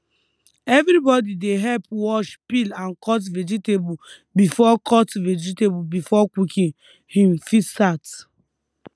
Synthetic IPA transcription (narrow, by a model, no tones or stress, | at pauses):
ɛvɾibɔdideɦɛlpwɔʃpilãnkɔt̬vɛd͡ʒitebu | bifɔkʰɔtvɛd͡ʒitebubifɔkwikʰĩn | hĩmfisat